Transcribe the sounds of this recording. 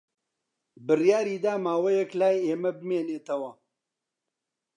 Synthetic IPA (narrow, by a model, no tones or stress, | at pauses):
bɨrjaːɾiːd̪aːmaːwɐjɐklaːjeːmɐbɨmeːneːt̪ɐwɐ